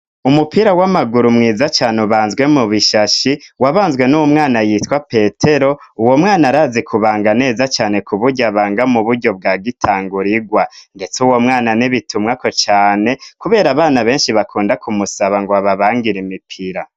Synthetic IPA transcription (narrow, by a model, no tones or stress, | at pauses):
umupiɾawamaɡuɾumŋiːzat͡ʃaːnuβaːnzɡwe̞muβiʃaʃiwaβaːnzɡwe̞nuwumŋaːnajitwape̞ːtʰe̞ɾo̞uwo̞mŋaːnaɾaːzikʰuβaːŋɡane̞ːzat͡ʃaːne̞kuβuɾɟaβaːŋɡamuβuɾɟo̞b̚ɡaːɡitʰaːŋɡuɾiɡwande̞t͡suwo̞mŋaːnaniβitʰumŋako̞t͡ʃaːne̞kuβe̞ːɾaβaːnaβe̞ːnʃiβakʰuːndakumusaβaŋɡoaβaβaːŋɡiɾimipʰiɾa